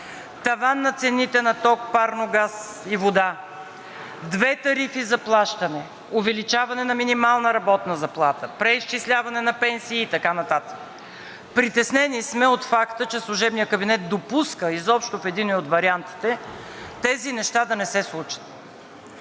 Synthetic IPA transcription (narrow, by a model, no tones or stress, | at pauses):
t̪ɐvanːɐt̪sɛnit̪ɛnɐt̪ɔk̚paɾnoɡas | ivod̪a | d̪vɛt̪ɐɾifizɐplˠaʃt̪ɐnɛ | ovɛlit͡ʃavɐnɛnɐminimalˠnəɾɐbɔt̪nəzɐplˠat̪əpɾɛisʃt͡ʃislʲavɐnɛnɐpɛnsiːt̪ɐkanɐt̪at̪ə̥k | pɾit̪ɛsnɛnismɛot̪fakt̪ət͡ʃɛslˠuʒɛbnijəkɐbinɛt̪̚d̪opuskəizɔpʃt̪ofɛd̪inoiot̪vɐɾiant̪i̥t̪ɛ | t̪ɛzinɛʃt̪ad̪ɐnɛsɛslˠut͡ʃə̥t̪̚